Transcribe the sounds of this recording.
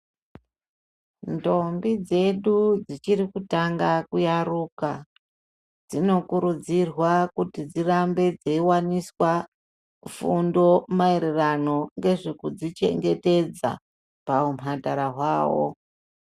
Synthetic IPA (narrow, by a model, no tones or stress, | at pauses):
ndo̞mbid͡ze̞ɗud͡zit͡ʃirikutaŋɡakujaruka | d͡zino̞kuɾud͡zirwakutid͡zirambe̞d͡zeiwaniswa | ufundo̞maeɾerano̞ŋɡe̞ʐikud͡zit͡ʃe̞̰ŋɡe̞te̞d͡za̰ | paumɦataɾaɦwaːwo̞̰